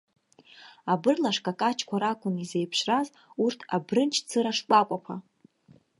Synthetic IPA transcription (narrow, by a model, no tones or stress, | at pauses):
abɨrlaʂkʼakʼat͡ʃʰkʷʰaɾakʷʰʼʊnizejpʰʂraz | urtʰabrɨnt͡ʃʰt͡sʰɨɾaʂkʷʼakʷʼapʰa